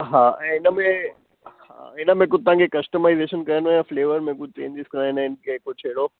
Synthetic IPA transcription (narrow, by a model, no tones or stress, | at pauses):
ɦãːɛ̃ɪnəmẽ | ha̰ɪnəmẽk̬ut̪ɐãŋkekɐsʈəmaːɪzeːʃənkɐənẽjãfleːʋəɾmẽk̬ʊt̪ḛ̃ːnd̪iskɾanẽɪnkeeːkot͡ʃʰeːɽo